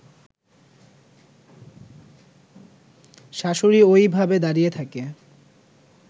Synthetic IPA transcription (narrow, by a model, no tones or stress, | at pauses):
ʃaʃoɾiojbʱabed̪aɾijet̪ʰake